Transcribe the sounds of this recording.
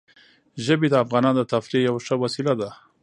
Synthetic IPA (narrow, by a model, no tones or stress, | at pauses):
ʒəbed̪əafɣɑnɑnd̪ət̪afɾejawʂəwasilad̪a